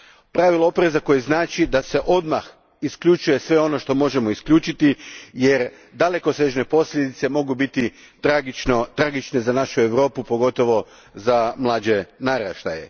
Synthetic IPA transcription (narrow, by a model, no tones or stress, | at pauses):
pɾaʋilˠaopɾe̞zako̞jeznaːt͡ʃid̪ase̞ʔo̞d̪max | iskʎʲut͡ʃuje̞sʋe̞o̞no̞ʃt̪o̞mo̞ʒe̞mo̞iskʎʲuːt͡ʃit̪ijeɾ | d̪ale̞ko̞seʒne̞po̞sʎʲed̪it̪se̞mo̞ɡubit̪i | t̪ɾaɡit͡ʃnot̪ɾaɡit͡ʃne̞zanaʃue̞ʋɾo̞ːpupo̞ɡo̞t̪o̞ʋo̞ | zamlˠaːd͡ʒe̞naɾaʃt̪a̰jḛ